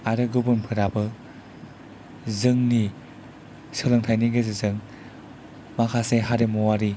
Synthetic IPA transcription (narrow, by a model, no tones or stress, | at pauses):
aɾɯɡɯbunpʰɯɾabɯ | zɯŋni | sɯlɯŋtʰajniɡɯzɯzɯŋ | makʰaseɦaɾemɔwaɾi